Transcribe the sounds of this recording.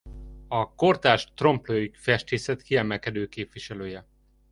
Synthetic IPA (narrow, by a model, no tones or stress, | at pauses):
ɒko̞rt̪aːʃt̪ro̞mpløːikfɛʃt̪eːsɛt̪kiɛmɛlkɛd̪øːkeːpʋiʃɛløːjɛ